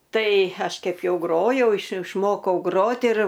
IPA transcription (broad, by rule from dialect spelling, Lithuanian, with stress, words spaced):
ˈtɐɪ ˈɐʃ ˈkʲɛp ˈjɛʊ ˈɡroːjɛʊ ɪʃ ɪʃˈmoːkɐʊ ˈɡroːt ɪr